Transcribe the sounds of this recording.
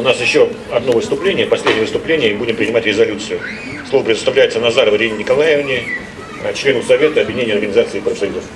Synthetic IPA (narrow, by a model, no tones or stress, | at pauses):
ʊnasjɪɕːo | ɐd̪no̞vɨst̪ʊplʲenʲɪjəpɐsʲlʲedʲnʲɪjəvəst̪ʊplʲenʲɪjəmbudʲɪmpɾʲɪnʲɪmatʲɾʲɪzɐlʲut̪sɨjʊ | slˠo̞vəpɾʲɪd̪əst̪ɐvlʲæjɪt̪sənɐzaɾəvəɾʲinʲnʲɪkɐlˠajɪvnʲɪ | t͡ɕlʲe̞nʊsɐvʲe̞t̪əɐbvʲdʲɪnʲenʲjəɐrɡənʲɪzat̪sɨːpɾəfsɐjud̪əf